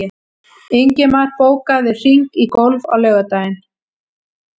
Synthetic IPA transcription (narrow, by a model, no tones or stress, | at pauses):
ɪ | eɲcɪmaɾ̥poːwkaðɪr̥iŋkikowlva̰wlœːɣat̪aːjɪn